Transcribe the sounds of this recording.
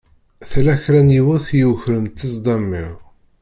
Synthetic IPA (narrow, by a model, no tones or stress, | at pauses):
θlæçɾænjiwʊθjəwçɾəmt̪ːəsˤd̪ˤɑmːiʁ